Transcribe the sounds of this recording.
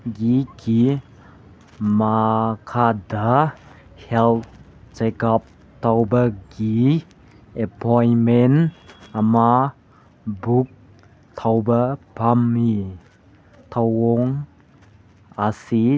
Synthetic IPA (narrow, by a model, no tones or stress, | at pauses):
ɡikʰi | makʰada | hɛlt̚ | t͡ʃekap̚ | t̪ʰawbəɡi | epɔjmenama | buk̚ | t̪ʰawbəpʰami | t̪ʰawɔŋ | asi